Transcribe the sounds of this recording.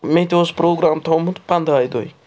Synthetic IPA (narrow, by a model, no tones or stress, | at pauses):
mẽt̪eospɾoːɡɾamt̪ʰõmũt̪pɐ̃nd̪ajd̪oi